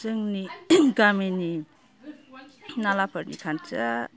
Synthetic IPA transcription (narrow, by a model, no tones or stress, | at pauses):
zɯŋniɡamini | nalapʰəɾnḭkʰant͡ʃa̰